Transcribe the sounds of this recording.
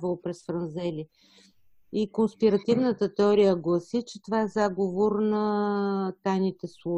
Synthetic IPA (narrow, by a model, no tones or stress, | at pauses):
vəlˠopɾɛsfɾɐnzɛli | ikonspiɾɐt̪ivnət̪ət̪ɛɔɾijəɡlˠɐsit͡ʃɛt̪ovaɛzaɡovoɾnɐ | t̪ajnit̪ɛslˠo